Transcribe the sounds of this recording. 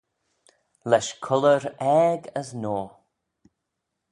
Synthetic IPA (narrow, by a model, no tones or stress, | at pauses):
lɛʃkʰʊləɹɛːɡəsnoː